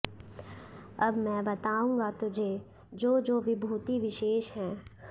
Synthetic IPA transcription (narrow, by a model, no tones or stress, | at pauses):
ɐbmɛ̃bɐt̪aːũːŋɡat̪ʊd͡ʒʱeː | d͡ʒoːd͡ʒoːʋɪbʱuːt̪iʋɪʃeːʃɦɛ̃ː